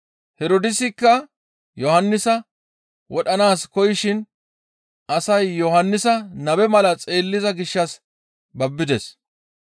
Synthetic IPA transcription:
hɛɾod̪ɪsɪkːɐ | jɔhɐnːɪsɐ | wɔɗɐnaːskɔjɪʃɪn | ɐsɐjːɔhɐnːɪsɐnɐbɛmɐlɐt͡sʼe̞ːlːɪzɐɡɪʃːɐs | bɐbːɪd̪ɛs

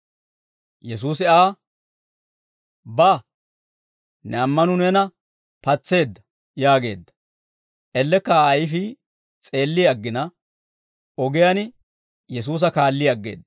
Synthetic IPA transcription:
jɛs̬uːs̬ɪaː | bɐ | nɛɐmːɐnʊnɛnɐ | pɐt͡sːe̞ːd̪ːɐ | jaːɡe̞ːd̪ːɐ̥ | ʔɛlːɛkːɐɐjɪfɪ | t͡sʼe̞ːlːɪjɐɡːɪnɐ | ɔɡɛjɐn | jɛs̬uːs̬ɐkaːlːɪjɐɡːe̞̰ːd̪ɐ

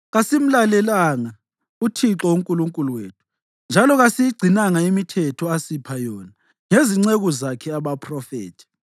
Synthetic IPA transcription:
ɣasim̩lalɛlaŋa | utʰiǁɔuŋkʼuluŋkʼuluweːtʰu̥ | nd͡ʒʱalɔɣasijiɡ͡ǀʱinaŋaimitʰɛtʰɔasipʰajɔna | ŋeziŋ͡ǀeɣuzakʰɛaβapʰrɔfḛːtʰi̥

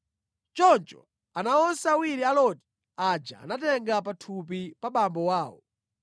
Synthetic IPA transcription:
t͡ʃɔnt͡ʃɔ̰ | anaɔnsawiɾialɔti̥ | ad͡ʒa̰a̰natɛŋɡap̬atʰup̬ipaɓambɔwaːwɔ̰

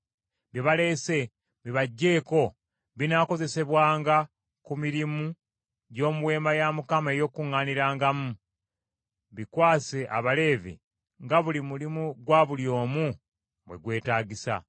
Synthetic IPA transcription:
βiβale̞ːse̞ | βiβaɟːe̞ːko̞ | βinako̞ze̞se̞βwaːŋɡa | kumiɾimu | ɟo̞ːmuβwe̞ːmajamukamae̞jo̞ːkuŋːaːniɾaːŋɡamu | βikwaːseʔa̰βale̞ːvḭ | ŋɡaβulimulimuɡwaːβuljo̞ːmu | βwe̞ɡwe̞ːtaːɟisa̰

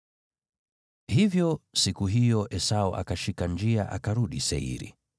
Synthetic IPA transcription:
hivjɔsikuɦijɔʔɛsaɔʔa̰kaʃikand͡ʒiaʔakaɾuɗisɛ̰ḭɾḭ

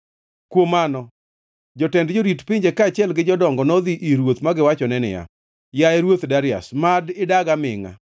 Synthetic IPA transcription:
kwomanɔ | d͡ʒɔtɛndd͡ʒoɾitpiɲd͡ʒekaːt͡ʃɪɛlɡɪd͡ʒɔdɔŋɡɔnɔd̪iʔiɾwot̪maɡɪwat͡ʃɔnɛnɪ̰ja̰ | jaɛɾwot̪daɾɪa̰smadɪdaɡamɪ̰ŋa̰

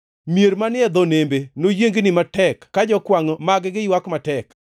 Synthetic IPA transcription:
mjeɾmanɪɛd̪onembenojeŋɡnɪmatɛkkːad͡ʒɔkwaŋomaɡɡɪjwakmatɛk

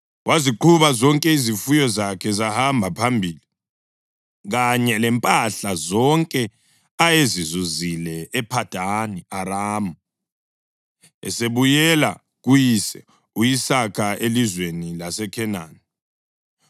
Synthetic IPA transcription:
wʔaziǃʰuβazɔŋkʼɛizifujɔzakʰɛzahambʱapʰambʱiːli | ɣaɲɛlɛmpʼaɬazɔŋkʼɛ | ajezizuzilɛːpʰad̥ʱaniaɾaːmu | ɛ̰seβujɛla | ɣujisɛ | ujisakʰaelizwenilasɛkʰɛnaːni

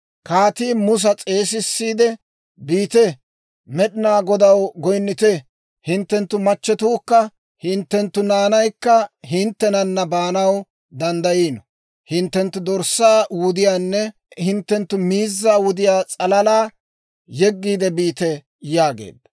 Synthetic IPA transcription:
kaːt̪iːmʊs̬ɐt͡sʼe̞ːs̬ɪsːiːd̪ɛ | biːt̪ɛ | mɛɗɪnaːɡɔd̪ɐwɡɔjnːɪt̪ɛ | hɪnt̪ːɛnt̪ːʊmɐt͡ʃːɛt̪uːkːɐ | hɪnt̪ːɛnt̪ːʊnaːnɐjkːɐɦɪnt̪ːɛnɐnːɐbaːnɐw | d̪ɐnd̪ɐjiːnɔ | hɪnt̪ːɛnt̪ːʊd̪ɔɾsːaːwʊd̪ɪjaːnːɛ | hɪnt̪ːɛnt̪ːʊmiːzːaːwʊd̪ɪjaːt͡sʼɐlɐlaː | jɛɡːiːd̪ɛbiːt̪ɛ | jaːɡḛːd̪ːɐ

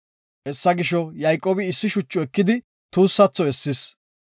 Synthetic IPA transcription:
ʔɛsːɐɡɪʃɔjɐjkʼːoːbɪɪsːɪʃʊt͡ʃʼːʊɛkːɪd̪ɪ | t̪uːsːɐt͡sːɔɛsːɪs

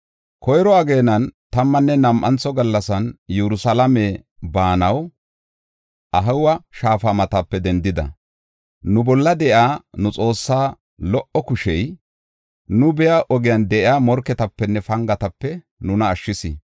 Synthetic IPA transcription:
kɔjɾɔɐɡe̞ːnɐnt̪ɐmːɐnːɛnɐmʔɐ̰nt͡sːɔɡɐlːɐsɐnjɛɾʊsɐlɐme | baːnɐw | ʔɐɦɐwɐʃaːfɐmɐt̪ɐpːɛd̪ɛnd̪ɪd̪ɐ̰ | nʊbɔlːɐd̪ɛʔɪaːnʊt͡sʼo̞ːsːaː | lɔʔɔkʊʃɛj | nʊbɛjaʔɔɡɪjɐnd̪ɛʔɪaːmɔɾkɛt̪ɐpːɛnːɛfɐŋɡɐt̪ɐpːɛ | nʊnɐːʃːɪsɪ̰

